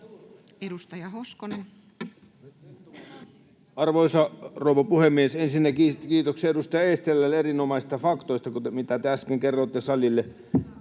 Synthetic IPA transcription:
edust̪ɑjɑhoskonen | ɑrʋoisɑrouʋɑpuhemːiesensinːækikiːt̪okseedust̪ɑjɑest̪elːælːerinomɑisi̥st̪ɑfɑkt̪oist̪ɑkumit̪æt̪eæskeŋkerːˑot̪ːesɑlilːe

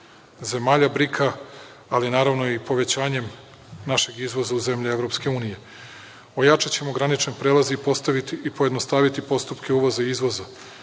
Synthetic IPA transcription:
ze̞maːʎabɾikʰaː | linaːɾaʋno̞ipo̞ʋe̞t͡ɕaːɲe̞m | naʃe̞ɡizʋo̞zauze̞mʎie̞ʋɾo̞pske̞uːnije̞ | ojat͡ʃat͡ɕemoɡɾanit͡ʃnpɾeːlˠaziːpo̞st̪aʋit̪iipojed̪no̞st̪aːʋit̪ipost̪upkʰe̞uʋo̞zaiizʋo̞za

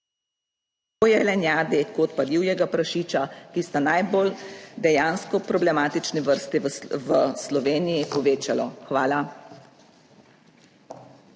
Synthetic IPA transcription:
t̪oːjɛlɛnjaːd̪ekot̪pad̪iwjɛɡapɾaʃiːt͡ʃakist̪anajbold̪ɛjaːnskɔpɾɔblɛmaːt̪it͡ʃnɛʋəɾst̪iʋəslɔʋeːnijipɔʋeːt͡ʃalɔ̰xʋaːla

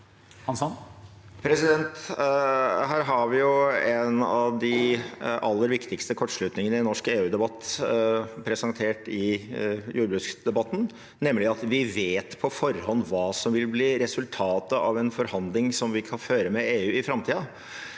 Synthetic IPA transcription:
hɑnsɑn | pʰɾɛsɪd̪ɛnt̪ | ɦæːɾɦɑʋɪjʊɛnɑʋd̪ɪ | ɑlːəɾʋɪkt̪ɪkst̪əkʰɔʈːʂɭʉt̪nɪŋənəɪɛnːɔʂkeːʉːd̪ɛbɑt̪ː | pʰɾɛsɑnt̪ʰeːʈɪjuːɾəbɾʉskd̪ɛbɑt̪ːn̩ | nɛmːlɪɑt̪ʋɪʋeːt̪pʰɔfɔɾhɔnːʋɑːsɔmʋɪlbliːɾɛsʉlt̪ʰɑːt̪əɑʋɛnfɔɾhɑnd̪lɪŋsɔmʋɪkʰɑnføːɾəmɛeːʉːɪfɾɑmt̪ʰiːɑ

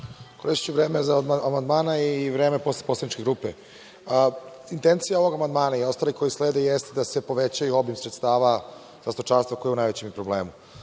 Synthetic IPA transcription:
koɾeʃt͡ɕuʋɾeːmezaamand̪maːnaiʋɾeːme̞posleposlˠad̪nit͡ʃkeɡɾuːpe | int̪ent̪sijaoʋo̞ɡamand̪maːnaio̞st̪aːliko̞jisleːd̪ejest̪d̪ase̞po̞ʋet͡ɕajuo̞bimsɾet̪st̪aːʋa | zast̪ot͡ʃaːɾst̪vakojeunajʋet͡ɕempɾoblḛːmu

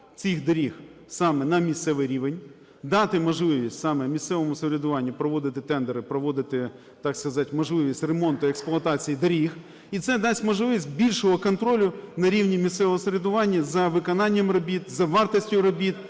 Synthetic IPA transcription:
t͡sʲixd̪ɐɾʲixsɑmɛnɐmʲist̪sɛʋɪjɾʲiʋenʲ | d̪ɑt̪ɪmɔʒlˠɪʋʲisʲtʲsɑmɛmʲist̪sɛʋɔmʊseɾʲɪd̪ʊʋɑnʲːipɾɔʋɔd̪ɪt̪ɪt̪ɛnd̪eɾɪpɾɔʋɔd̪ɪt̪ɪ | t̪ɑkskɐzɑtʲmɔʒlˠɪʋʲisʲtʲremɔnt̪ʊeksplˠʊɐt̪ɑt͡sʲijid̪ɐɾʲix | it̪sɛd̪ɑsʲmɔʒlˠɪʋʲisʲtʲbʲilʲʃɔɦɔkɔnt̪ɾɔlʲʊnɐɾʲiʋnʲimʲist̪sɛʋɔɦɔseɾʲed̪ʊʋɑnʲːɐzɐʋɪkɔnɑnʲːɐmrɔbʲit̪zɐʋɑrt̪ɔsʲtʲʊɾɔbʲit̪

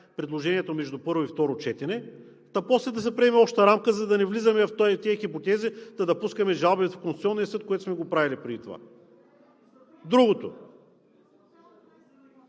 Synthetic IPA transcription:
pɾɛd̪lˠoʒɛniɛt̪omɛʒd̪upɤɾvoift̪ɔɾot͡ʃɛt̪ɛnɛ | t̪ɐpɔslɛd̪ɐsɛpɾɛɛmɛɔʃt̪ɐɾamkəzɐd̪ɐnɛvlizɐmɛft̪ot̪ɛəxipot̪ɛzid̪ɐd̪ɐpuskɐmɛʒalˠbɛvɛt̪fkonssiɔnːijəsɤt̪̚koɛt̪o̥smɛɡopɾavilipɾɛd̪it̪ova̰ | d̪ɾuɡot̪o̰

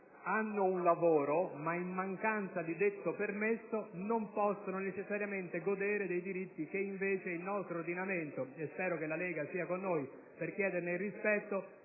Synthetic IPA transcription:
anːounlavoːɾomaimːaŋkant̪sad̪id̪et̪ːopermesːonompɔsːononet͡ʃesːaɾjament̪eɡod̪eːɾed̪ejd̪iɾit̪ːik̟eiɱveːt͡ʃeilnɔst̪ɾoːrd̪inament̪oespɛːɾokelːalɛːɡasiːakonːoːj | perkjɛːd̪erneilrːispɛt̪ːo

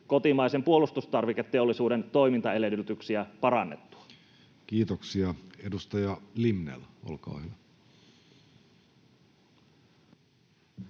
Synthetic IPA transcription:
ko̞t̪imɑijse̞mpuo̞lust̪ust̪ɑrʋiket̪ːe̞olːisuːdent̪o̞jmint̪ɑe̞ledyt̪yksiæpɑɾɑnːe̞t̪ːu̥ɑ̥ | kiːt̪oksiɑedust̪ɑjɑlimnḛlʔo̰lkɑ̰ːhyʋæ

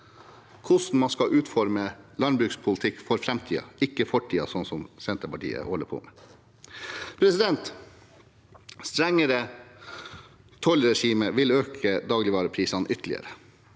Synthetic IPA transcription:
kʰʊsn̩mɑnskɑʔʉːt̪fɔɾməlɑnbɾʉːkspʰʊlt̪ʰɪkːfɔɾfɾɛmt̪ʰiːɑ̰ɪkːəfɔʈʰiːɑsɔnsɔmsɛnt̪əpɑʈḭːə̰hɔlːəpʰo̰ːmeː | pʰɾɛsɪd̪ɛnt̪ | st̪ɾɛŋːəɾə | t̪ʰɔlɾɛʂiːməʋɪløːkʰəd̪ɑːɡlɪʋɑːɾəpʰɾiːsɑnʔʏt̪əlɪə̰ɾə

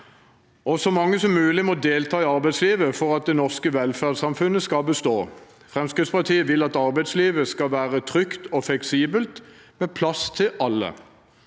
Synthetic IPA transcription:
ɔsɔmɑŋːəsɔmːʉːlɪmɔd̪eːlt̪ʰɑːɪɑʁbæɪd̪sliːʋəfɔʁɑt̪̚d̪ɛnɔʁskəʋɛlfæːʁd̪sɑmfʉnəskɑbəst̪oː | fʁɛmskʁɪt̪spɑʁt̪ʰiːəʋɪlːɑt̪ɑʁbæɪd̪sliːʋəskɑʋæːʁət̪ʰʁʏkt̪ʰɔflɛksiːbəlt̪ | meːpʰlɑst̪ʰɪlʔɑlːə̰

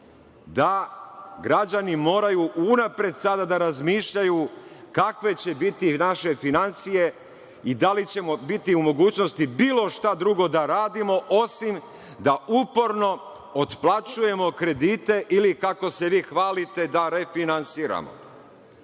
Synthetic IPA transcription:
d̪a | ɡɾad͡ʑanimo̞ːɾajuʔunapɾe̞d̪sad̪ad̪aɾazmiːʃʎajukakʋe̞t͡ɕe̞bit̪inaʃe̞finansije̞ | id̪alit͡ɕe̞mobit̪iumo̞ɡuːt͡ɕno̞st̪ibiːlˠo̞ʃt̪ad̪ɾuɡo̞d̪aɾaːd̪imo̞ʔo̞sim | d̪aʔupo̞ɾno̞ | ot̪plˠat͡ɕuje̞mo̞kɾe̞d̪iːt̪e̞ʔilikako̞se̞ʋiːxʋaːlit̪e̞d̪aɾe̞finansiːɾa̰mo̞̰

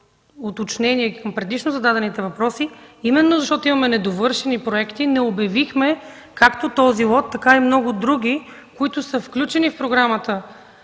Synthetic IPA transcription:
ot̪ot͡ʃnɛniɛkɐmpɾɛd̪it͡ʃnozɐd̪ad̪ɛnit̪ɛvɐpɾɔsiimɛnːozɐʃt̪ɔt̪oʊimɐmɛnɛd̪ovɤɾʃɛnipɾoɛkt̪inɛobjɐvixmɛ | kakt̪ot̪ɔzilˠɔt̪ːɐkaimnɔɡʊd̪ɾuɡ̟ʲikoit̪ʊsəfklʲut͡ʃɛnifpɾoɡɾamət̪ə

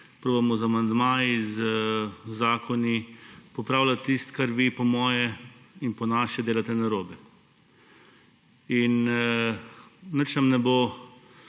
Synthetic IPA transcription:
pɾoːbɐmɔzamand̪maːiz | zaːkʰɔnipɔpɾaːwlat̪ːist̪kaɾʋipɔmɔːjɛinpɔnaːʃɛd̪eːlat̪ɛnaɾoːbɛ | in | nət͡ʃnamnɛbo

